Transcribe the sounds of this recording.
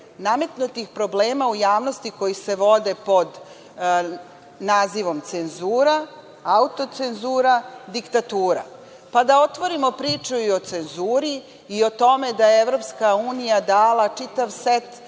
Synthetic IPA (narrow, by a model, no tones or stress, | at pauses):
name̞t̪nut̪ixpɾo̞bleːmaujaːʋno̞st̪iko̞jise̞ʋo̞d̪e̞po̞d̪ | naːziʋo̞mt̪senzuːɾa | aut̪o̞t̪senzuːɾad̪ikt̪at̪uːɾa̰ | pad̪ao̞t̪ʋo̞ɾimo̞pɾiːt͡ʃuio̞t̪se̞nzuːɾiː | o̞t̪o̞me̞d̪ajeevɾo̞pskauːnijad̪aːlˠat͡ʂit̪aʋset̪